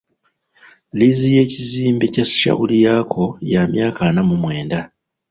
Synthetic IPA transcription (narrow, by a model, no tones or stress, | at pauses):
lizije̞ːciziːmbe̞casi̥ʃa̰ʔulijaːkʰo̞jamjaːkanamumwe̞ːnda